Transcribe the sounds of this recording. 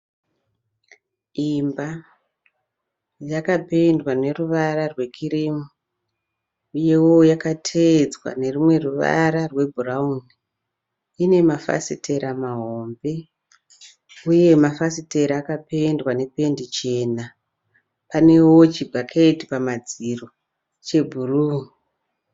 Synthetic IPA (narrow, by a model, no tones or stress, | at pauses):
imba | jakape̞ndwane̞ruʋaɾarwe̞kʰiɾiːmu | ije̞wo̞jakatʰed͡zwa̰ne̞rimwe̞ruʋa̰ɾarwe̞bʱurauni | ine̞mafa̰sitʰe̞ɾamaɦo̞mbe̞ | uje̞mafasite̞ɾaːkape̞ndwane̞pe̞ndit͡ʃe̞ːna | pane̞wo̞t͡ʃibʱakʰeti̥pamad͡ziro̞ | t͡ʃe̞bʱuruːu